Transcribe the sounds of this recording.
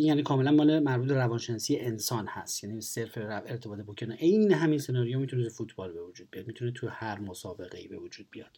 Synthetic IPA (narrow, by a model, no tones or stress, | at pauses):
ijæːniːkʰɒːmelænmɒːlemæɾbuːt̪̚beɾævɒːnʃenɒːsijeʔensɒːnhæst̪jæniseɾfeɾæveɾt̪ʰebɒːt̪ʰebokcʰeneʔejneɦæminse̞nɒːɾijɒmit̪ʰunet̪ʰufuːt̪ʰbɒːlbe̞vod͡ʒuːd̪̚bijɒːd̪miːt̪ʰunet̪ʰuhæɾmosɒːbe̞ɣeiːbe̞vod͡ʒuːd̪̚bijɒd̪̥